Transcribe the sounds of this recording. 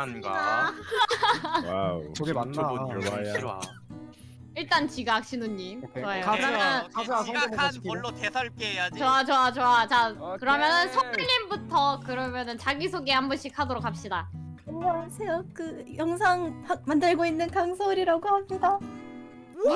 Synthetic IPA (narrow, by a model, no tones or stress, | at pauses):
anɡa̰ | wasoɡemanːaa̰ | iɭt͈ant͡ɕiɡak̚ɕ͈inunːimkoajoɯɾʌmʌnʰanpoɭːotesʰaɭk͈eejad͡ʑit͡ɕoat͡ɕoat͡ɕoat͡ɕakɯɾʌmjʌnɯnsʰʌɡuʎɲimbutʰʌkɯɾʌmjʌnɯnt͡ɕaɡisʰoɡeambɯɕʰikʰadoɾok̚ʰhap̚ɕ͈idaʌɦasʰejokɯjʌŋsʰaŋhamandɯɭɡoinːɯnkaŋsʰoɾiɾaɡohamɲida